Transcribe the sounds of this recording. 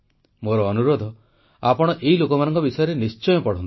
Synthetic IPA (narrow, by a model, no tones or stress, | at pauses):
moɾɔːnuɾod̪ʱɔ | apɔɽ̃ɔʔeɦilokɔmanɔ̃ŋkɔbisɔjɔɾenist͡ʃɔjɔpɔɽ̤ɔnt̪